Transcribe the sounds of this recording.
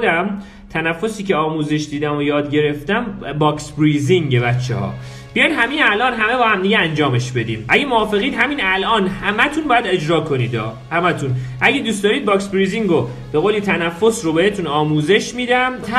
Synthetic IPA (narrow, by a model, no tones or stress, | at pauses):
d̪æm | t̪ʰænæfːosiːcʰe̞ɒːmuːze̞ʃd̪iːd̪æmojɒːd̪ɟe̞ɾe̞ft̪æmbɒːksbɾiːziŋɟebæt̪t͡ʃʰːḛhɒ̰ː | bijɒjnɦæminælʔɒːnɦæme̞bɒːhæmd̪iɟeænd͡ʒɒːme̞ʃbe̞d̪ḭːmʔæɟemoɒːfe̞ɣiːd̪ɦæmiːnælʔɒːnhæmæt̪ʰunbɒːjæd̪e̞d͡ʒɾɒːkʰo̞niːd̪ɒ̰ː | hæmæt̪ʰunʔæɟed̪uːstd̪ɒːɾiːd̪̚bɒːksbɾiːziŋɡo | b̥e̞ɣoːlit̪ʰænæfːo̞srobe̞het̪ʰunɒːmuːze̞ʃmiːd̪æmʰæ